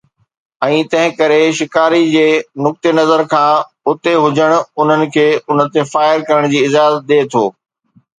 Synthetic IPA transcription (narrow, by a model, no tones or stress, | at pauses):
ɛ̃ːt̪ɐ̃ɦɪ̃kɐɾeʃɪkaːɾid͡ʑeːnʊk̚t̪enɐzəɾkʰãː | ʊt̪eɦʊd͡ʑəɽ̃ʊʊn̤ənɪ̆kʰeːʊnə̆t̪efaːɪɾkɐɾəɽ̃d͡ʑiːɪzaːzət̪̚ɗ̪eːt̪ʰoː